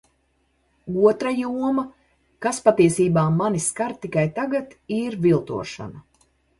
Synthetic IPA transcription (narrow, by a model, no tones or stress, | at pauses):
uɔt̪ɾajuɔmɐ | kaspat̪iɛsiːbaːmːaniskaɾt̪ikajt̪aɡat̪iɾvilˠt̪ṵɔʃa̰nɐ